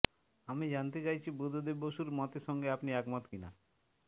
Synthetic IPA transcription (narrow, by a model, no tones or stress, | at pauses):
amid͡ʑant̪et͡ɕajt͡ɕʰibɾud̪ʱod̪eboʃuɾmɔt̪eʃɔŋɡeapniɛkmɔt̪kina